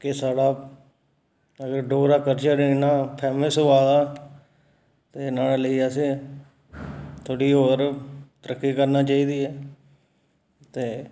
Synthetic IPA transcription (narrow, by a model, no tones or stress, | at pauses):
kɪsaːɽaː | əɡəɾɖoːɾaːkəɾt͡ʃəɾɪnaːpʰɛːməsɦoːaːɡaː | t̪eːnaːlaːləiːəseː | t̪ʰoːɽiːɦoːɾt̪əɾəkːiːkəɾnaːt͡ʃaːiːd̪iːɛː | t̪eː